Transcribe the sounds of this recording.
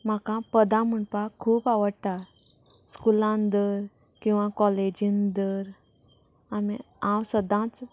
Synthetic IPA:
m̤akãpəd̪ãm̤əɳpakʰuːpaʋəɽt̪aɾskulãnd̪əɾkĩw̃ʋãkɔled͡ʑind̪əɾ | amḭ | ãwsəd̪ãt͡s

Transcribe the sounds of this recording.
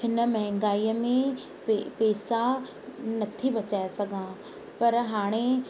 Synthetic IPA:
pʰɪnəmɛɦɛ̃ŋɡaːiːmẽ | epeːsa | nɐt̪ʰibɐt͡ʃaːjasɐɡãː | pɐɾɦaːɽ̃e

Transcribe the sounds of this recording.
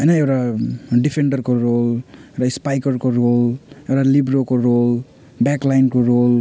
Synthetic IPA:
ɦʌjnʌewʈaɖipʰeɳɖʌrkoɾolewʈaspajkʌrkoɾolewʈalibɾokoɾol | baklajnkoɾol

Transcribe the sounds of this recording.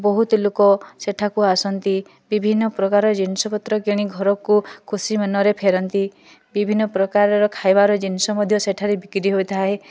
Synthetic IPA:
bɔɦut̪ilokɔseʈʰakuasɔnt̪i | bibʱinːɔpɾɔkaɾɔd͡ʒinisɔpɔt̪ɾɔkeɽ̃iɡʱɔɾɔkukʰusimenɔɾepʰeɾɔnt̪i | bibʱinːɔpɾɔkaɾɔɾɔkʰajbaɾɔd͡ʒinisɔmɔd̪ʱjɔseʈʰaɾebikɾiɦojt̪ʰaɦe

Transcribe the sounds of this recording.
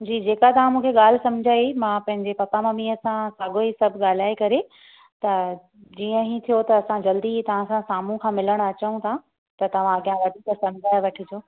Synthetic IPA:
d͡ʑiːd͡ʑeːkat̪ɐʋ̤ãmũːkʰeɠaːl̤ɪsɐ̃md͡ʑʱaːimãːpɐ̃ɦɪɲd͡ʑepɐkamɐmiəsãsaːɡoisɐbʱɠaːl̤aːekɐɾe | t̪ɐ | d͡ʑiːə̃ɦĩt̪ʰijot̪ɐːsãd͡ʑɐld̪it̪ɐʋ̤ãsãsaːmũkʰãːmɪləɽ̃ɐt͡ɕəũt̪ʰã | t̪ɐt̪ɐʋ̤ãɐɠijãʋɐd̪ʱiːksɐm̤d͡ʑʱaːeʋɐʈʰɪd͡ʑoː

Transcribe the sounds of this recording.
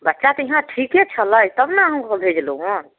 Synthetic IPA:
bətːʃat̪ɔiɦãʈʰiket͡ʃʰələjt̪əbnaɦəmkəbʱed͡ʒluon

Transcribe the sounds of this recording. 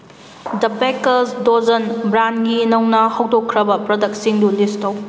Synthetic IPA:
dɐpekɐsdozɐnbɾanɡinɐwnɐhɐwdokʰːɾɐbɐpɾɐdɐk̚siŋdulistɐw

